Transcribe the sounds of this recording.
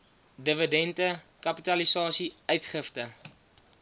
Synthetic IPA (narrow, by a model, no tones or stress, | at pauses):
dəvədɛntəkɐpitɐlisɑːsiœɥtχəftə